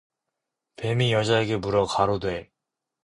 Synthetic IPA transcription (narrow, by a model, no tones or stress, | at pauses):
pe̞mijʌd͡ʑaeɡe̞muɾʌkaɾodwe